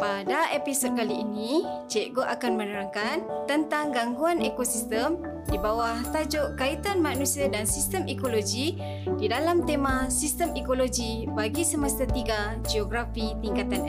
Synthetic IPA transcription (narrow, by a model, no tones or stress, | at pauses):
padaʔepisod̚kaliːnit͡ʃeʔɡoʔakanmənəɾaŋkant̪ənt̪aŋɡaŋɡuanekosist̪əm | dibawaht̪ad͡ʒoʔkait̪anmanusiadansist̪əmʔekoloɡi | didalamt̪emãsist̪əmekolod͡ʒi | baɡisəmast̪at̪iɡa | d͡ʒioɡɾafit̪iŋkat̪an